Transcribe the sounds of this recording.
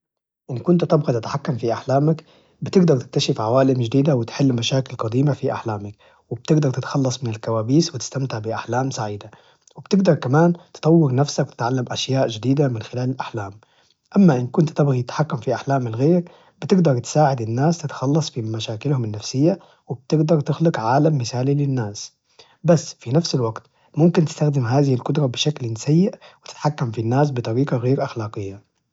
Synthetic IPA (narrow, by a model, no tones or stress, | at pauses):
ʔɪnkʊnt̪t̪ɪbɣit̪ɪt̪ḁħakːamfiʔaħlaːmak | bɪt̪ɪɡd̪ɑɾˤt̪ɪk̚t̪aʃɪfʕawaːlɪmʒad̪iːd̪awɪt̪ħɪlːmaʃaːkɪlqɑd̪iːmafiʔa̰ħlaːmak | wɪb̥̚t̪ɪɡd̪ɑɾˤt̪ɪt̪xɑlːɑsˤmɪnɪlkawaːbiːswɪt̪ɪ̥st̪amt̪ɪʕbɪʔaħlaːmsaʕiːd̪a | wɪb̥t̪ɪɡd̪ɑɾˤkamaːnt̪ɨ̥t̪ˤɑwːɪɾnafsakwt̪ɪ̥t̪ʕalːamʔaʃjaːʔd͡ʒɪd̪iːd̪amɪnxɪlaːlɪlʔaħlaːm | ʔamːaʔɪnkʊnt̪t̪ɪbɣijɪt̪ħakːamfiʔaħlaːmɪlɣeːɾ | b̥ɪt̪ɪɡd̪ɑɾˤt̪ɪ̥saːʕɪd̪ɪnːaːst̪ɪt̪xɑlːɑsˤfimaʃaːkɪlhʊmɪnːafsɪjːa | wɪb̚t̪ɪɡd̪ɑɾˤt̪ɪxlʊqʕaːlamːɪθaːlilɪnːaːs | basːfinafsɪlwaɡt̪ | mʊmkɪnt̪ɪ̥st̪axd̪ɪmɦaːðɪhɪlkʊd̪ɾˤɑbɪʃaklsajːɪʔwɪt̪ɪ̥t̪ħakːamfinːaːs̬bɪt̪ˤɑɾiːqɑɣeːɾʔaxlaːqɪjːa